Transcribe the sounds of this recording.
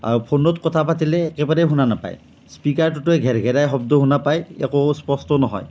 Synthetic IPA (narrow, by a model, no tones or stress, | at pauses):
a̰ɹupʰonɔtkɔtʰapatilɛːkɛbaɹɛɦunanapa̰j | spikaɹt̬utʊɛɡʱɛɹɡʱɛɹajɦɔbdɔɦunapajɛ̰kospɔstɔnɔɦɔ̰j